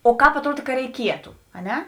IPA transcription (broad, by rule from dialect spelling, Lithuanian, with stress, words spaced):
oː ˈkɑːp ɐtˈruɔt ˈkɐ rʲɛɪˈkʲiɛtʊ ɐ ˈnʲɛ